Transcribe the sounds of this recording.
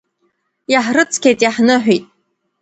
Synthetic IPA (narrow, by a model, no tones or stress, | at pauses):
jaħrɨt͡sʰkʲejtʼjaħnɨħʷᶣitʼ